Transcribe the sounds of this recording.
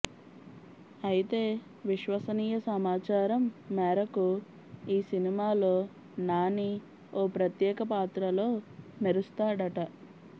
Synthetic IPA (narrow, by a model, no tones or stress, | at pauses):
ɐjit̪e̞ː | ʋiʃʋɐsɐniːjɐsɐmaːt͡ʃaːɾɐmːɛːɾɐku | iːsinimaːlo̞ː | naːni | oːpɾɐt̪jɛːkɐpaːt̪ɾɐlo̞ːmeɾust̪aːɽɐʈɐ